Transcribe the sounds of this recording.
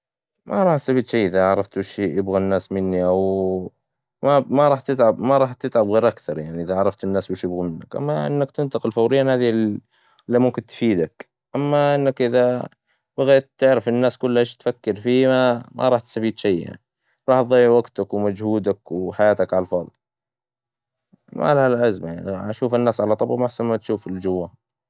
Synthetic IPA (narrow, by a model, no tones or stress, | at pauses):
mʔaɾˤɑːħt̪safiːd̪ʃejːʔɪðaʕɑɾˤɑft̪wɪʃijɪbɣanːaːsmɪnːiʔaw | mamaɾˤɑːħt̪ɪt̪ʕabmaɾˤɑːħt̪ɪt̪ʕabɣeːɾʔakθɑɾˤjaʕniʔɪðaʕɑɾˤɑft̪ɪnːaːswɪʃjɪbɣamɪnːakʔa̰mːaʔɪ̰nːakt̪ɪnt̪ɑqɪlfawɾɪjːanhaːði | lːimʊmkɪnt̪fiːd̪ak | ʔamːaʔɪnːakʔɪða | baɣeːt̪ːɪʕɾɪfɪnːaːskʊlːhaʃt̪fakːɪɾfiːmamʔa̰ɾˤɑːħt̪st̪afiːd̪ʃajja̰ʕni | ɾˤɑːħt̪ðˤɑjːʕwaɡt̪akwmad͡ʒhuːd̪akwɪħajaːt̪akʕalfɑːðˤɨl | ma̰lhallʔazmajaʕniʔaʃuːfɪnːaːsʕalat̪ˤɑbʔmaħsanmat̪ʃuːfɪld͡ʒʊwːa